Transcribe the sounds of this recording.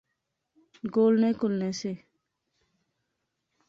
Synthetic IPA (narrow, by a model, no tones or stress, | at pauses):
ɡoːlnẽːkʊlneːseː